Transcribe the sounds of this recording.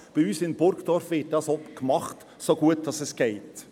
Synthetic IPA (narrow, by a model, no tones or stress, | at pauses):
b̥iyːsɪnb̥ʊɾkd̥ɔɾfʋɪt̚d̥ɑsɔpkmɑχt | soɡ̥uət̚d̥ɑsɛsɡ̥ɛɪt